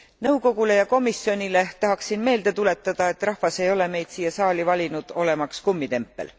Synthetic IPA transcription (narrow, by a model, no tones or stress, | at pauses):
nɤ̞wko̞ɡ̥ule̞jɑko̞misːjo̞nʲile̞t̪ɑɦɑksinme̞ːld̪e̞t̪ule̞t̪ːˑɑd̪̥ɑe̞t̪ːˑrɑhvɑse̞jo̞le̞me̞jd̪̥siːjːɑsɑːlivɑlʲinud̪̥o̞le̞mɑkskumːit̪e̞mpːḛl